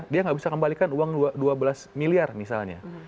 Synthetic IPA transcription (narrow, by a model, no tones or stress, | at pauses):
diaŋɡabisakəmbalikanuwaŋaduabəlasmiliarmisa̰lɲa̰